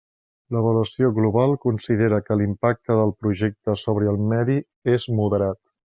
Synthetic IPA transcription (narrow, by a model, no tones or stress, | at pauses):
ləβəluəsioɣluβalˠkunsiðeɾəkəlimpak̚t̪əðəlˠpɾuʒek̚t̪əsoβɾəəlˠmɛði | ezmuðəɾat̪